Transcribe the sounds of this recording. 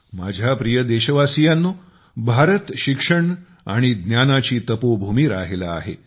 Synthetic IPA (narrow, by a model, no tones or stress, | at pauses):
ma̰d͡ʑʱjapɾijəd̪eɕəʋasijanːo | bʱaɾət̪ɕikʂəɳ | a̰ɽ̃id̪njanat͡ɕiːt̪əpobʱumiːɾa̰ɦela̰ːɦḛ